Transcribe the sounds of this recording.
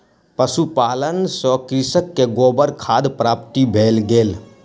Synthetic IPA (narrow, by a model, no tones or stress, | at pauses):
pəsupaːlənsɔkɾɪsəkːeɡoːbəɾkʰaːd̪pɾaːp̚t̪ibʱeːlɡeːl